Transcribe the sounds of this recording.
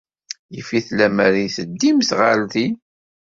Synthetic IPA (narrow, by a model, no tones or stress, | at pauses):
jəfiθlæmæɾiθəd̪ːimsʁalθi